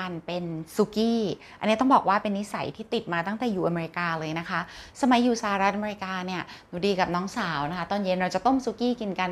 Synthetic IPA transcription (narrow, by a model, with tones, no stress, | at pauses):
aː˧npe˧nsu˦˥kiː˥˩ | ʔa˧nːi˦˥˦t̪ɔ˥˩bɔː˨˩k̚waː˥˩pe˧nːi˦˥sa̰˩˦jt̪ʰiː˥˩t̪i˨˩t̪̚maː˧t̪a˥˩ŋt̪ɛː˨˩juː˨˩ʔa˧meː˧ɾi˧kaː˧lɤː˧jna˦˥kʰa˦˥ʔsa˧ma˨˦jːuː˨˩saː˧a˨˩ɾa˦t̪̚ʔa˧me˧ɾi˧˥kaː˧ni˥˩ɐ | u˨˧˩diː˧ka˨˩p̚nɔː˦˥ŋsaː˩˦wna˦˥kʰa˦˥t̪ɔː˥˩nje˧˥nɾa˧wt͡ɕa˨˩t̪o˥˩msuː˦˥kiː˥˩ki˧nka˧n